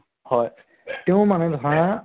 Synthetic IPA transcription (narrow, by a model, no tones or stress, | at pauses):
hɔj | teʊ̃manɛdʱɔɾɔ̃a